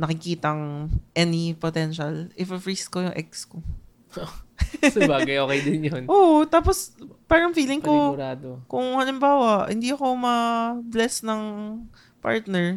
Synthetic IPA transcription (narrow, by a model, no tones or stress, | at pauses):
nɐkɪkiːt̪ɐŋʔɛnipot̪ɛnʃɐlʔɪfɐfɹiːskojʊŋʔɛk̚sko | osɐbaːɡɐjʔoːkɛjd̪ɪnjonʔot̪aːpospaːɾɐŋfiːlɪŋkoɾaːd̪okʊŋhɐlɪmbaːwɐʔhɪ̰nd̪iɐko̞mɐblɛsnɐŋ | pa̰ɹt̪nɛɹ